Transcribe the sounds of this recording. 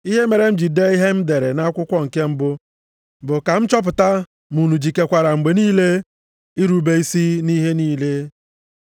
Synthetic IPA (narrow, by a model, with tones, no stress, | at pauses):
i˦ɦe˦me˨ɾe˨m̩˦d͡ʒi˨de˦i˦ɦe˦m̩˦de˨ɾe˨na˦kʷʊ˦kʷɔ˦ŋ̩˨ke˦m̩˦bʊ˦ | bʊ˨ka˨m̩˦t͡ʃɔ˦p̬ʊ˨ta˦ | mu˨nu˨d͡ʒi˨ke˨kʷa˨ɾa˨ŋ͡m̩˨ɡ͡be˨niː˦le˦ | i˦ɾu˨˦be˦i˦si˦ni˦ɦe˦niː˦le˦